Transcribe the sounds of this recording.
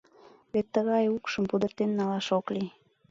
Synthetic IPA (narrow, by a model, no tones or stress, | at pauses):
βet̪ːəɣɑjukʃəmpud̪ərt̪enːɑlɑʃokli